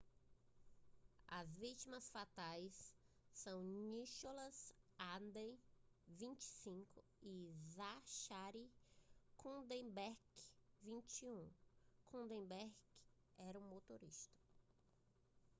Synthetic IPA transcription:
ɐzvit͡ʃimɐsfat̪ajsː | ɐ̃w̃niʃolɐzand̪ẽjvĩnt͡ʃi̥sĩkʊ | izaʃaɾikʰũd̪ẽbɛɾkvĩnt͡ʃiũkʰõd̪ẽbɛɾɡ | ɛɾɐ̃ũmot̪oɾḭʃt̪ɐ̥

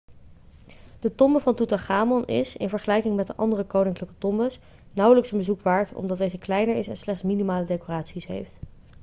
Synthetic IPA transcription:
d̥ətɔmbəvɑntutaχaːmɔnɪ̰sɪ̰nvəɹχəlɛjkɪŋmɛt̚dəʔɑndərəkownɪŋkləkətɔmbəs | nʌwələksənbəzukʋaːɹtɔ̰mdɑt̚dejzəklɛjnəɹɪsɛ̰nslɛχtsminimaːlədejkoraːtsisɦḛjft

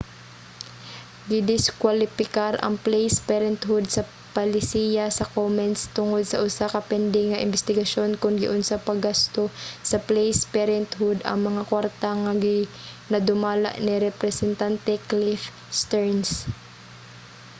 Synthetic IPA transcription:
ɡɪd̪ɪskwalɪpɪkaɾʔɐ̰ŋplɛjspɛɾɛnt̪hʊd̪̚sɐ | palɪsiːjasɐkomɛnt̪st̪ʊŋod̪̚sɐʔʊsakɐpɛnd̪ɪŋːɐʔɪ̰mbɛst̪ɪɡɐʃo̞nkʊŋɡɪʔʊnsapɐɡast̪osɐplɛjspɛɾɛnt̪ɦʊd̪ɐ̰ŋmɐŋakwaɾt̪aŋaɡɪ | nɐd̪ʊmaːla̰ʔnɪɾɛpɾɛsɛnt̪ant̪ɛklif | st̪ɛɹns

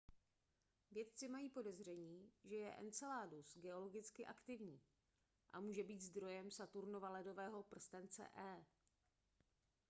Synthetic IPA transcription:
vjɛt̪̚t͡sɪmajiːpo̞dɛzr̝ɛɲiːʒɛjɛʔɛ̰nt͡sɛlaːdusɡɛo̞lo̞ɡɪt͡skɪʔakt̪ɪvɲiː | ʔa̰muːʒɛbiːt̪zd̪ɾo̞jɛmsat̪uɾno̞valɛdo̞vɛːɦo̞pr̩st̪ɛnt͡sɛ̰ʔɛː

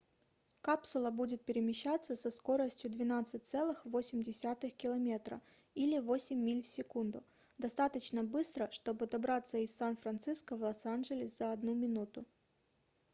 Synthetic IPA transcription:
kapsʊlˠəbudʲɪt̪̚pʲɪɾʲɪmʲɪɕːat̪sːəsɐsko̞ɾəsʲtʲjʊd̪vʲɪnat̪sɨt̚ʲt̪sɛlˠɨxvo̞sʲɪmʲdʲɪsʲat̪ɨxkʲɪlˠɐmʲe̞t̪ɾə̰ | ilʲɪvo̞sʲɪmʲːilʲfsʲɪkund̪ʊ | d̪ɐst̪at̪ət͡ɕnəbɨst̪ɾəʂt̪o̞bɨd̪ɐbɾat̪səɪsːanfɾɐnt̪sɨskəvlˠosanʐɨlʲɪszəɐd̪numʲɪnut̪ʊ

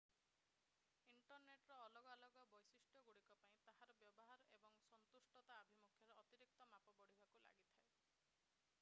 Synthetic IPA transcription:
iɳʈɔɾneʈɾɔːlɔɡalɔɡɔbɔjsisʈjɔɡuɽikɔpaĩt̪aɦaɾɔbjɔbɔɦaɾɔebɔŋsɔnt̪usʈɔt̪aːbʱimukʰjɔɾeɔt̪iɾik̚t̪ɔmapɔbɔɽ̤ibakula̰ɡit̪ʰae

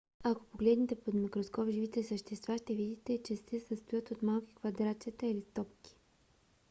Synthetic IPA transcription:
ako̥poɡlɛd̪nit̪ɛpod̪mikɾoskɔpʒivit̪ɛsəʃt̪ɛst̪vaʃt̪ɛvid̪it̪ɛt͡ʃɛsɛsəst̪ojət̪ot̪malˠki̥kvɐd̪ɾat̪siət̪ɐilist̪ɔpkʲi̥

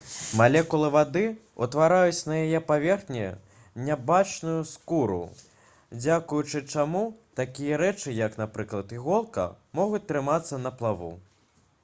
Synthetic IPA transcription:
malʲɛkulˠɨvad̪ɨ | ṵt̪vaɾajut͡sʲnɐjajɛpavʲɛrxnʲɛ | nʲabat͡ʂnujuskuɾṵ | d͡zʲakujut͡ʂɨt͡ʂamut̪akʲijɐɾɛt͡ʂɨjɐkn̪apɾɨklˠɐt̪iɣɔlˠkɐ̰ | mɔɣut͡sʲt̪ɾɨmat̪sːɐnɐplˠavṵ

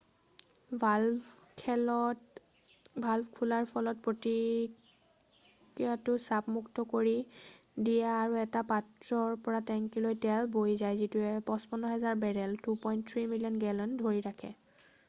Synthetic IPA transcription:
bʱalbkʰulaɹpʰɔlɔt̚pɹoti | kɹijatʊsapmuktɔkoɹi | dijaːɹuɛtapatɹɔɹpɔɹatɛŋkilojtɛlbojzajzituɛpɔ̃spɔnɔɦɛzaɹbɛɹɛltupɔjnttʰɹimilijɔnɡɛlɔndʱoɹiɹakʰɛ̰

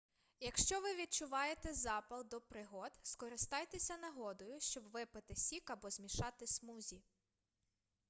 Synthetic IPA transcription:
jɐkʃt͡ʃɔʋɪʋʲid̪̚t͡ʃʊʋɑjet̪ɛzɑpɐlˠd̪ɔpɾɪɦɔd̪skɔɾɪst̪ɑjt̪esʲɐnɐɦɔd̪ɔjʊʃt͡ʃɔbʋɪpɪt̪ɪsʲikɐbɔzmʲiʃɑt̪ɪsmuzʲi

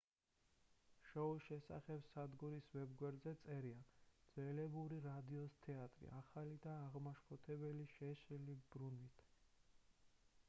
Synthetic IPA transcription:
ʃɔuʃɛsa̰χɛb̥sad̪ɡuɾisvɛbɡwɛɾd̪zɛt̪sʼɛɾiad̪z̥ɛlɛbuɾiɾad̪iɔst̪ʰɛat̪ʼɾḭʔaχalid̪aːʁmaʃpʰɔt̪ʰɛbɛliʃɛʃɾɛlibɾunvit̪ʰ

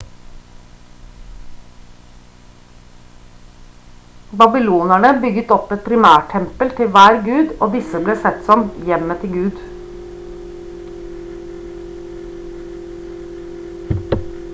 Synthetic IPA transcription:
bɑbɪluːnæɳəbʏɡət̪ɔpɛt̪̚pʰɾɪmæːʈʰɛmpəlt̪ʰɪʋæːɾɡʉːd̪oːd̪ɪsəbleːsɛt̪sɔmjɛmət̪ʰɪɡʉːd̪

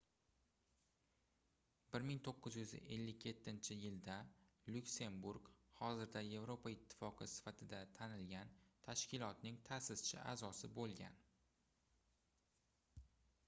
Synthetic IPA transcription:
bɪɾmɪŋt̪ʰoqːɨzjʊze̞lːɪkʲje̞t̪ʰːɪnt͡ʃʰɪjɪld̪a | lʊkse̞mbuɾkhɒzɪɾd̪aje̞vɾo̞paɪt̪ʰːɪ̥fɒqʰɨsɪ̥fat̪ʰɪd̪at̪ʰanɪlɡʲant̪ʰaʃkʲɪlˠɒt̪nɪŋt̪ʰasɪz̥t͡ʃʰɪʔa̰ːzɒsɪbolˠɡʲa̰n

